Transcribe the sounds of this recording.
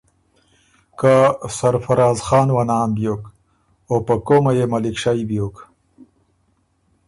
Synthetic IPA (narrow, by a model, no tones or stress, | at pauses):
kasaɾfaɾɑːzxɑːnwanɑːnbjok | opakomajemalikʂajbjoːk